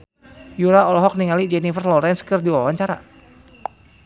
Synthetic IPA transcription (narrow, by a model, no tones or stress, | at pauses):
juɾaɔlɔɦɔk̚niŋalid͡ʒɛnifərlɔɾɛnskərdiwawaɲt͡ʃaɾa̰